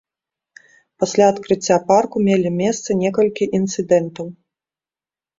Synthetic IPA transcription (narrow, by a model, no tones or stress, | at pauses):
pasʲlʲaɐt̪kɾɨt͡sʲːaparkumʲelʲimʲɛst̪sɐnʲɛkɐlʲkʲiʔint̪sɨd̪ɛnt̪ɐw